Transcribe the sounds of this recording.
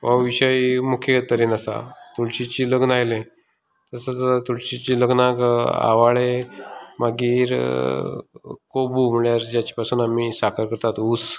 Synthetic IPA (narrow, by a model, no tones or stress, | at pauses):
ʋəʋiɕaimukʰjet̪əɾiːnasa̰t̪uɭɕit͡ɕiːləɡnajlẽ | t̪əsət͡sat̪uɭɕit͡ɕiləɡnaka̰ʋaɭemaɡiːɾ | kobum̤uɭjaɾd͡ʑjat͡ɕi̥pasuːnamisakʰəɾkəɾt̪at̪uːs